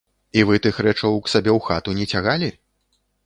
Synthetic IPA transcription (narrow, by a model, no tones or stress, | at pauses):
ivɨt̪ɨxɾɛt͡ʂɐwksabʲɛwxat̪unʲɛt͡sʲaɣalʲi